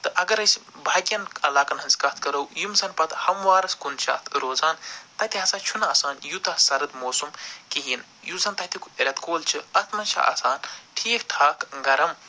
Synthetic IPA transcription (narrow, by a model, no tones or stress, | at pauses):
t̪ɨʔɐɡɐɾɐsʲbʱaːɡʲjɐnɐlaːkɐnɦɐnz̥ʲkɐt̪ʰkɐɾɐwjumsɐnpɐt̪hɐmʋaːɾɐskunt͡ʃʰɐ̰t̪ʰɾoːzaːnt̪ɐt̪iɦɐsaːt͡ʃʰunɐːsaːnjut̪ɐsɐɾɐd̪moːsumkiɦiːn | juzɐːnt̪ɐt̪ʰikueɾʲɐt̪koːlt͡ʃʰiɐt̪ʰmɐnt͡ʃʰḭʔa̰ːsaːnʈʰiːkʈʰaːkɡɐɾɐm